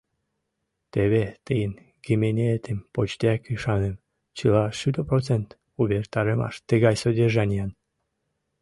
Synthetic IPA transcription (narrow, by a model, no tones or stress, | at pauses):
t̪eβet̪əjən | ɡemenʲeet̪empot͡ɕt̪eɑkyʃɑnəm | t͡ɕəlɑʃyd̪oprot͡sent̪ | uβert̪ɑɾəmɑ̰ʃt̪əɣɑjsodʲeʒɑnʲijɑn